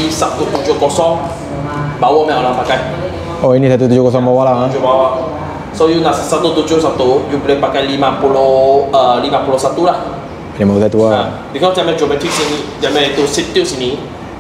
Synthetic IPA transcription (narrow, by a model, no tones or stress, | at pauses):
isat̪ut̪ud͡ʒʊhkɔsɔŋ | bawɔmɛ̃ɔlaŋpakaj | oinisat̪ut̪ud͡ʒʊkɔs̬ɔŋbawɔhlaud͡ʒʊbawɔ | sojuŋaʔsat̪ut̪ud͡ʒʊsat̪ujubəlepakajlimãpuloəlimãpulɔsat̪ulah | nɛmakusajt̪uəa | bikɔsd͡ʒamɛd͡ʒomɛt̪ʰik̚sinid͡ʒamɛit̪usit̪isini